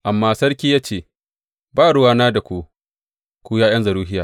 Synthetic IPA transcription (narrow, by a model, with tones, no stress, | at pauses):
ʔa˨mːaː˦sɐ˦ɽkʲiː˦jaː˦t͡ʃeː˨ | baː˦˨ɽʊ˦waː˦naː˦da˨kʷu˦˨ | kʷuː˦jaː˦j̰ɐ˦nzɐ˨ɽuː˦ɦɪ˦jaː˨